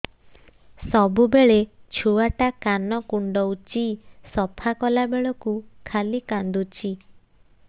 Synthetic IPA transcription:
sɔbubeɭet͡ʃʰuaʈakanɔkuɳɖɔut͡ʃisɔpʰakɔlabeɭɔkukʰalikand̪ut͡ʃʰi

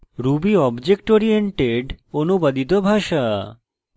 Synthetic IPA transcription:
ɾubiɔbd͡ʑek̚ʈoɾieɳʈeɖonubad̪it̪̬obʱaʃa

